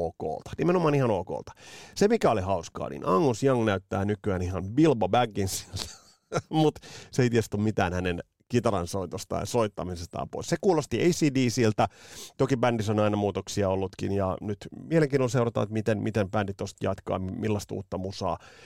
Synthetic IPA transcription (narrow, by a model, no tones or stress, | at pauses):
oːko̰ːlt̪ɑ̥nimenomɑːnihɑnoːko̰ːlt̪ɑ̥semikæolihɑuskɑ̰ːnḭnʔɑŋːusjɑŋnæyt̪ːæːnykyænihɑnbilbɑbæɡːinsielt̪æ̥ | mut̪seijt̪iest̪ummit̪æ̰ːnhænen | kit̪ɑɾɑ̰nsoit̪ost̪ɑ̰ːjɑ̰soit̪ːɑmisest̪ɑ̰ːmpo̰isekuːlost̪ieisiːdiːsilt̪æt̪okibændisonɑinɑmuːt̪oksiɑolːut̪kinjɑnyt̪mieleŋkiːnolseuwrɑt̪ːɑ̰et̪mit̪enmit̪empændit̪ost̪jɑt̪kɑ̰ːmilːɑst̪ṵːt̪ːɑmusɑ̰ː